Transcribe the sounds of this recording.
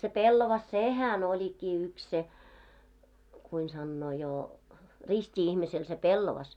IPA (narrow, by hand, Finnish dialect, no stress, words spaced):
se pelːɑʋɑs sehæn olʲikːiː yks se kuin sɑnːoː jo ristʲi ihmisel se pelːɔʋɑs